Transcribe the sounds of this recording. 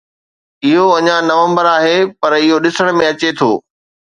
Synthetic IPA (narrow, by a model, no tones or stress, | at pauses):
ɪɦoɐɲãnɐʋə̃mbəɾaːɦepɐɾɪɦoɗɪsəɽ̃mẽɐt͡ɕet̪ʰoː